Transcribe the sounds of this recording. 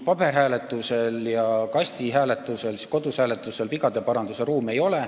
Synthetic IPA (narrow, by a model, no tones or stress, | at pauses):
pɑb̥e̞rɦæːle̞t̪ːˑuse̞ljɑkɑsʲt̪iɦæːle̞t̪ːˑuse̞lsi̥ko̞d̪̥ushæːle̞t̪ːˑuse̞lviɡɑd̪̥e̞pɑɾɑnd̪use̞ɾuːme̞jo̞le̞